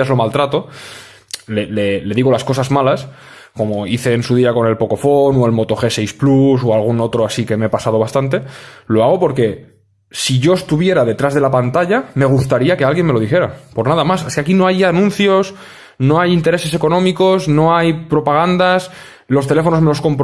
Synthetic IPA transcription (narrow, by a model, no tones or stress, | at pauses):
azlo̞malt̪ɾat̪o̞ | lele̞le̞ðiɣ̞o̞lasko̞sazmalas | ko̞mo̞iθe̞ːnsuðiako̞ne̞lpo̞ko̞fo̞noe̞lmo̞t̪o̞xe̞sejsplusoalɣuno̞t̪ɾo̞asike̞mepasað̞o̞βast̪ant̪e̞lo̞aɣ̞o̞po̞ɾke̞ | siʝo̞e̞st̪uβje̞ɾaðe̞t̪ɾazðelapant̪aʎame̞ɣ̞ust̪aɾiake̞alɣje̞nme̞lo̞ðixeɾa̰po̞ɾnaðamaseskeakino̞ajanũn̟θjo̞s | no̞ajint̪e̞ɾe̞se̞se̞ko̞nõ̞miko̞sno̞ajpɾo̞paɣ̞and̪as | lo̞st̪e̞le̞fo̞no̞zme̞losko̞mp